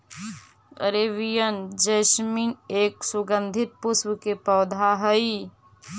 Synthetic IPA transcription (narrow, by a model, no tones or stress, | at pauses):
ə̰ɾeʋijənd͡ʒəsmineːksʊɡə̃nd̪ʱɪt̪̚pʊswkepɔːd̪ʱaɦəi